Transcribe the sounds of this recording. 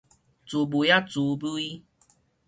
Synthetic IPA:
t͡su˨˦bu˨ja˦t͡su˨˦bu˦i˦

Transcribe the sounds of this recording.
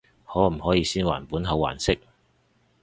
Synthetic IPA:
hɔː˨˥m̩˨˩hɔː˨˥jiː˧siː˥nwa̰ː˨˩npuː˨˥nɦɐ˨˧wːa̰ː˨˩nsɪ˥k̚

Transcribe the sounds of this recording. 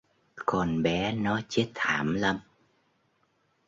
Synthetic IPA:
kɔ˨˩nɓɛ˨˦nɔ˨˦t͡ɕe˦˥t̚t̪ʰaː˧˩mlə˧m

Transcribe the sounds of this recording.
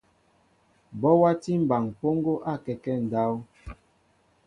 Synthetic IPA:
bɔ˦wa˦ti˦m̩˨ba˨ŋpo˦ŋ˦ɡo˦ʔa˦˨kɛ˨kɛ˦n̩˨da˦w

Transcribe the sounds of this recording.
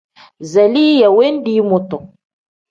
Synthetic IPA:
zɛ˨li˦jɛ˨we˦n˦di˦mʊ˨tɔ˨

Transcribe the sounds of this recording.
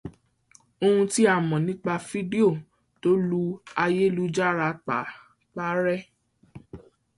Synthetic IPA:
o˧hũ˧ti˦a˦˨mɔ̃˨nĩ˦k͡pa˧fi˦di˦o˦˨ | to˦lu˦a˧je˦lu˦d͡ʒa˦ɾa˧˦k͡pa̰˨˦ | k͡pa˦ɾɛ˦

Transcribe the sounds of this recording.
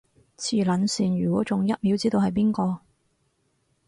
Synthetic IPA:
t͡sʰiː˨˩lɐ˨˥nsiː˨˩nɥyː˨˩kʷwɔː˨˥t͡sʊ˨ŋjɐ˥t̚miː˨˥wt͡siː˥t̪o˧whɐ˨jpiː˥nkɔː˧

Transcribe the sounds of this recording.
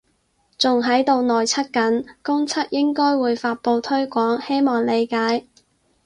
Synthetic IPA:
t͡sʊ˨ŋɦɐ˨˥jt̪o˨˧wnɔː˨jt͡sʰɐ˥t̚kɐ˨˥nkʊ˥ŋt͡sʰɐ˥t̚jɪ˥ŋkɔː˥jwuː˨˧jfaː˧t̚po˧wt̪ʰɵ˥ɥkʷɔː˨˥ŋhe˥jmɔː˨˩ŋle˨˧jkaː˨˥j

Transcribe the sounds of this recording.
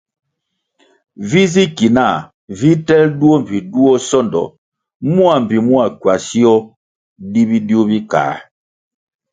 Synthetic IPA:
vi˦zi˦ki˨na˦˨ | vi˦tɛ˦ldu˦ɔ˦m̩˨pi˨du˦ɔ˦sɔ˦˨ndɔ̰˨ | mu˦a˨m̩˨pi˨mu˦a˨kwa˨si˦ɔ˦ | di˦bi˦di˦u˦bi˦ka̰ː˨

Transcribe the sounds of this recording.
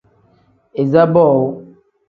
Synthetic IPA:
e˨za˦bɔ˦˨wo˦

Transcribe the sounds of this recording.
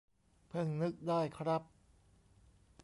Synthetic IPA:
pʰɯ˧˩ŋnɯ˦˥k̚daː˥˩jkʰɾa˦˥p̚

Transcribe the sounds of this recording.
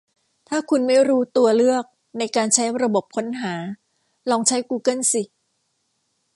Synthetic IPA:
t̪ʰaː˥˩kʰu˧nma˥˩jɾuː˦˥t̪u˧ɐlɯ˥˩ək̚ | na˧jkaː˧nt͡ɕʰa˦˥jɾa˧bo˨˩p̚kʰo˦˥nɦaː˩˦ | lɔː˧ŋt͡ɕʰa˦˥jkuː˧kɤ˥˩nsi˨˩

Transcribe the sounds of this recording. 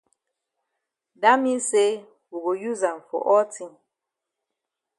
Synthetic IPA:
da˦mi˦se˦ | wu˨ɣo˨ju˦za˨n˨fɔ̰˨ʔɔ˦ti˦ŋ

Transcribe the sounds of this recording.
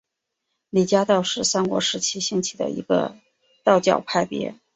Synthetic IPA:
li˨˩t͡ɕja˥t̪ɑ˥˧ʊʂɻ̩˥˩sa˥nkwɔ̰˧˥ʂɻ̩˧˥t͡ɕʰi˥ɕi˥˩ŋt͡ɕʰi̥˨˩d̪ə̰˩ḭ˧˥ɡ̥ə̰˧ | t̪ɑ˥˧ʊt͡ɕjɑ˥˩ʊpʰa˥˩ɪpjɛ̰˧˥

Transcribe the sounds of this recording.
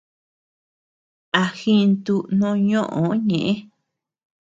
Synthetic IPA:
a˧xĩ˦nt̪u˦nõ˧˦ɲõ˦ʔõ˨˦ɲẽ˨ʔẽ˦

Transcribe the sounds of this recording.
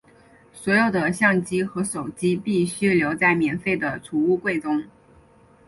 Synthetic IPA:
swɔ˧˥jo˨˩ʊd̪ə˦ɕjɑ˥˩ŋt͡ɕi˥xɤ˧˥ʂo˨˩ʊt͡ɕi˥pi˥˩ɕy˥ljo˧˥ʊt͡sa˥˩ɪmjɛ˨˧˥nfe˥˩ɪd̪ə˩ʈ͡ʂʰu˧˥u˥˧kwe˥˩ɪʈ͡ʂʊ˥ŋ

